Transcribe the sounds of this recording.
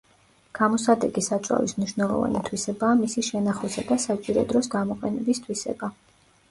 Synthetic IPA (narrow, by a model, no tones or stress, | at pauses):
ɡ̥amɔsad̪ɛɡisat͡ʃʼa̰vḭsmniʃwnɛlˠɔ̰va̰nit̪ʰwisɛbaːmisiʃɛnaχwisad̪asat͡ʃʼiɾɔ̰d̪ɾɔsɡamɔqʼɛnɛbist̪ʰwisɛ̰ba